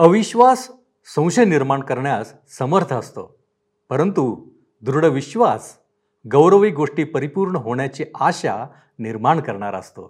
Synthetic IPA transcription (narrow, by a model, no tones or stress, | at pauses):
əʋiɕʋasː | ə̃w̃ɕəniɾmaɳkəɾɳjasːəməɾt̪ʰəst̪o̰ | pəɾənt̪u | d̪uɾuɽəʋiɕʋas | ɡəwɾəʋiːɡoʂʈiːpəɾipuːɾɳəɦoɳjat͡ɕiaɕa̰ | niɾmaɳkəɾɳa̰ɾə̰st̪o̰